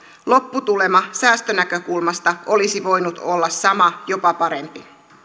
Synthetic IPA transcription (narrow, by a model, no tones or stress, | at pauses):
lo̞pːut̪ule̞mɑsæːst̪ønækø̞kulmɑst̪ɑʔo̞lisiʋo̞jnut̪o̞lːɑsːɑmɑjo̞pɑpɑɾe̞mpi